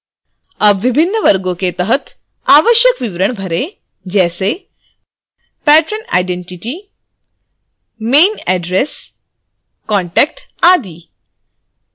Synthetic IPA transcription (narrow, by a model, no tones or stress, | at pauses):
əbʋibʱinːəʋəɾɡoket̪əɦət̪ | aʋəɕjəkʋiʋɾəɳbʱəɾe | d͡ʑɛse | pæʈɾəna̰jɖeɳʈiʈi | meːnɛɖɾes | kɔɳʈɛk̚ʈad̪iː